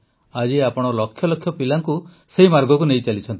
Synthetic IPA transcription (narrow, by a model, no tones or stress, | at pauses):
ad͡ʒiapɔɽ̃ɔlɔkʰːjɔlɔkʰːjɔpilaŋku | seɦimaɾɡɔkuneit͡ʃalit͡ʃʰɔnt̪i̥